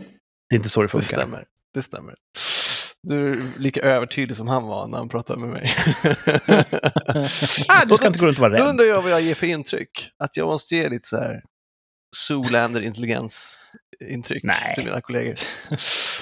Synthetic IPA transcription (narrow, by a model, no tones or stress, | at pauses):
d̪̥ɛɪnt̪əsoːd̪ɛfɵɛŋstkaɛ̰mːə̰ɾ | d̪̥ɛst̪ʰɛ̰mːə̰ɾ | d̪ʉæɾliːkaʔøːvəʈʰyːd̪lɪsɔmhanva̰nʔæɾhanpɾɑːt̪ʰad̪mɛmɛ̰j | ad̪saɪnɡoːɵnt̪ɔvɑːɾaɾɛdɵnd̪ɾajɑːɡvajɑjeːfœɾɪnːt̪ʰɾʏ̰kːat̪jɑ̰ːɡmɔst̪əjeːlɪt̪ə̥sæ̰ːɾ | suːlɛnd̪əɾɪnt̪əlɪɡɛ̰ns | ɪnt̪ʰɾʏ̰kn̰ʰɪlmḭːna̰kʰɔlḛːɡəɾ